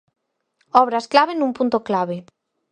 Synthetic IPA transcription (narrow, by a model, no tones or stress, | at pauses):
ɔβɾasklaβenũmpunt̪oklaβ̞e